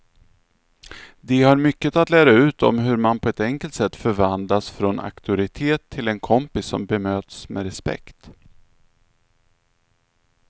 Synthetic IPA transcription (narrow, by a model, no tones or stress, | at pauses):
d̪ɛhaɾmʏkːət̪at̪læːɾaʉ̟ːt̪ʰɔ̰mɦɵɾmanpʰɔɛt̪ɛŋkəlt̪sɛt̪ːfœɾvand̪lasfɾona̰kt̪ʰʊɾɪt̪ʰeːt̪ʰːɪlɛnkʰɔmpɪsːɔmbɛmøːt̪smɛɾɛspɛ̰kt̪